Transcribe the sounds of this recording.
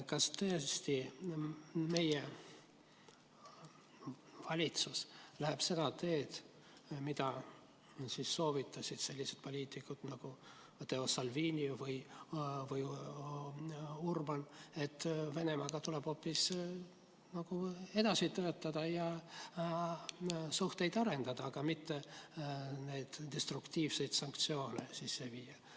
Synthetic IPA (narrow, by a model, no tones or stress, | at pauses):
kɑst̪ø̞est̪i | me̞je | vɑlʲit̪suslæɦe̞b̥se̞d̪ɑt̪e̞ːt̪ | mid̪̥ɑ | siːsːo̞ːvit̪ːˑɑsʲid̪̥se̞lːise̞d̪̚po̞lʲiːt̪ikːˑud̪̥nɑɡ̥u | t̪ːeosɑlviːnʲivɯjvɯj | urbɑne̞t̪ːˑve̞ne̞mɑɡ̥ɑt̪uleb̥ho̞pːis | nɑɡ̥ue̞d̪̥ɑsit̪øøt̪ːɑd̪̥ɑjɑ | suht̪e̞jd̪ɑɾe̞nd̪̥ɑd̪̥ɑːɡ̥ɑmit̪ːe̞ | ne̞jd̪̥d̪̥e̞st̪rukt̪iːvse̞jd̪̥sɑŋkt̪sio̞ːne̞̰sisːe̞viːjɑ